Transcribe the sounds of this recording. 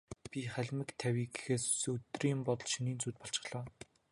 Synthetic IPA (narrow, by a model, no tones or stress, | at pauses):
pʲiχæɮʲmɘ̆kt̪ʰæwʲiːɡexeːsɵt̪riːmpɔt̪ɞ̆ɮʃiniːnt͡suːt̪̚pɔɬt͡ɕɪ̥̆χɮɔː